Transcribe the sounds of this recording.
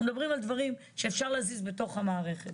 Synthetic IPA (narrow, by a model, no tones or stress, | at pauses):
umd̪abʁimald̪vaʁim | ʃe̞ːfʃaʁleazizbe̞to̞χhamaːʁe̞χet